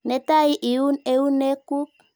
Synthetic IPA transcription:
nɛ˨ta˦i˦ʔi˨u˦ne˦u˦ne˦ku˦k̚

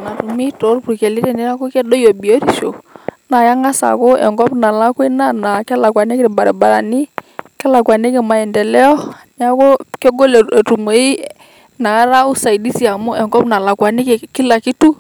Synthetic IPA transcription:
na˨tu˨mi˦to˨˦ɾpu˨ɾkɛ˨li˦ɾɛ˨ni˦ɾa˦ko˦kɛ˦do˦jo˨bi˨o˦ɾi˨so̰˨na˨ja˦ŋa˦sa̰˨ko˦ɛ̰˨ŋɡɔ˦pna˨la˦kwe˦na˦na˨kɛ˦la˨kwa˨ne˦kɪ˦ɾba˨ɾɛ˨ba˨ɾa˨ni˦kɛ˦la˨kwa˨ne˦kɛ˨ma˨ɛ˨ndɛ˨lɛ˦ɔ˦ɲa˦ko˦kɛ˦ɡo˦le˨e˨tu˨mo˨˦i˦ | na˨˦ɾa˦u˦sa˨i˨di˦si˨a˨mu˦ʔɛ˨ŋɡɔ˦pna˨la˨kwa˨nɪ˦ke˨ki˦la˨ki˦tu˦

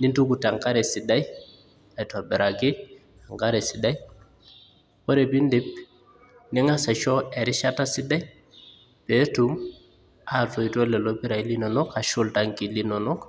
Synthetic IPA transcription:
ni˦ntu˦ku˨ta˨ŋka˦ɾɛ˨si˨da˦j | a˨i˨twa˨bɛ˨ɾʔa˨ki˦ | a˨ŋɡa˦ɾɛ˨si˨da˦j | po˦ɾe˨bi˦ndi˦p̚ | ni˦ŋa˦sa˨t͡ʃɔ˦e˨ɾɪ˦ʃa˦ta˦si˦da˦j | pe˨˦tu˦m | a˨fo˨i˨to˦lɛ˨lo˦pi˦ɾa˨i˦li˦no˨nɔ˦ka˨ʃʊ˦lta˨ŋki˨li˦no˨nɔ˦k

